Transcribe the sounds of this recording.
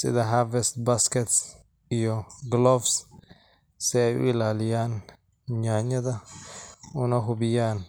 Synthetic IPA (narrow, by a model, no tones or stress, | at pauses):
sɪ̰ðɐɦaɾvɛst̪baskɛt̪s | ɪjɔɡlɔfs | sɛɛjʊ̰ɪlaːlɪjaːn | ɲaːɲːɐd̪ɐ | ʊnɐɦʊbɪjaːn